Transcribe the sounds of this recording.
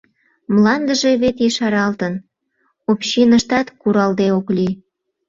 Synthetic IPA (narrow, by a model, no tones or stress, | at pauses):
mlɑnd̪əʒe̽βet̪jiʃɑɾɑlt̪ən | opɕinəʃt̪ɑt̪kuɾɑld̪eokli